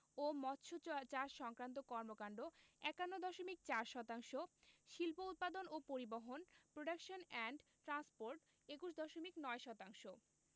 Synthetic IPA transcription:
omɔtːɕʰot͡ɕaɾʃɔŋkɾant̪̬okɔɾmokaɳɖoɛkanːod̪ɔʃomik̚t͡ɕaɾʃɔt̪aŋʃoʃilpout̪̚pad̪onopoɾiboɦonpɾoɖakʃonɛɳɖʈɾanspoɾʈ | ekuʃ̬d̪ɔʃomiknɔeʃɔt̪aŋʃo

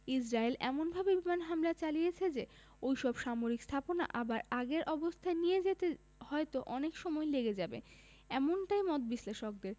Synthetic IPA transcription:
id͡ʑɾaelɛ̰monbʱabebimanɦamlat͡ɕalijet͡ɕʰed͡ʑe | ojʃɔbʃamoɾikst̪ʰapona̰ʔabaɾaɡeɾʔɔbost̪ʰaenijed͡ʑet̪e | hɔet̪oʔɔnekʃɔmɔeleɡed͡ʑabe | ɛmonʈajmɔt̪̚biʃleʃok̚d̪eɾ

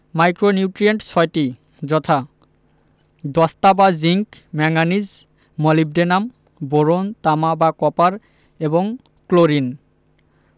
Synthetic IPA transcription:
majkɹonjuʈɹijeɳʈsʰɔjti | zɔt̪ʰa | d̪ɔst̪abaziŋkmɛŋanizː | ɔlib̚denam | boɹont̪amabakɔpaɹ | ebɔŋ | kloɹin

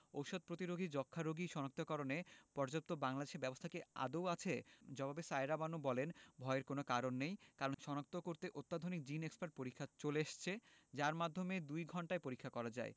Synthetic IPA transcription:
owʃod̪̚pɾot̪iɾoɡʱid͡ʑɔkʰːaɾoɡʱiʃɔnak̚t̪okɔɾonepɔɾd͡ʑap̚t̪obaŋlad̪eʃeɾbɛbost̪ʰakea̰d̪owat͡ɕʰed͡ʑɔbʱabesaeɾabanobɔlenbʱɔeeɾkonokaɾonːejkaɾonʃɔnak̚t̪okoɾt̪eʔot̪ːad̪ʱonik̚d͡ʑinekspaɾʈ̚poɾikʰːat͡ɕoleaʃt͡ɕʰed͡ʑaɾmad̪ʱːomed̪ujɡʱɔɳʈaepoɾikʰːakɔɾad͡ʑa̰e

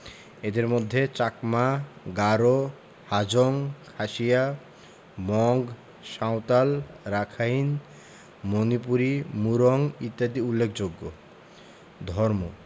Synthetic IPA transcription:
ed̪eɾmod̪ʱːet͡ɕakmaɡaɾo | had͡ʑoŋkʰaʃija | mɔŋɡ | ʃawt̪alɾakʰain | monipuɾimuɾoŋit̪ːad̪iulːekʰd͡ʑoɡːo | d̪ʱɔɾmo

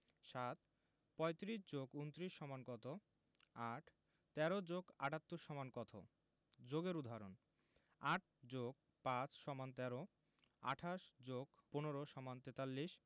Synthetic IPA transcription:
ʃat̪ | pɔjt̪ɾiʃd͡ʑoɡunt̪ɾiʃːɔmankɔt̪ʰo | aʈʰ | t̪ɛɾod͡ʑoɡaʈat̪ːuɾʃɔmankɔt̪ʰo̰ | d͡ʑoɡeɾud̪ʱaɾo̰n | aʈ̚ʰd͡ʑoɡ̚ | pãt͡ɕʰʃɔmant̪ɛɾo | a̰ʈʰaʃd͡ʑoɡponoɾoʃɔmant̪et̪alːiʃ

